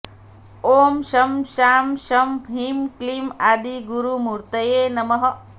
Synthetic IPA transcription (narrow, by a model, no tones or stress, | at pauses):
oːmʃɐmʃaːmʃɐmʱɦiːmklimaːd̪iɡuɾumuɾt̪ɐjeːnɐmɐɦɐ